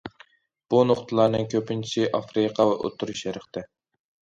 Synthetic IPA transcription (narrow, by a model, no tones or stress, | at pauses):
b̥unoχt̪ʰɨlˠɑɾnɨŋkʲʰøpɪnt͡ʃʰi̥sʰɪʔɑfɾɨqʰɑwɛʔo̰t̪ʰuɾuʃjɛɾɨχt̪ɛ